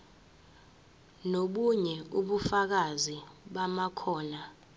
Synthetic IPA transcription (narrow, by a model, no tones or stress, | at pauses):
noɓuɲɛuɓufak̬aziɓamakʰɔːna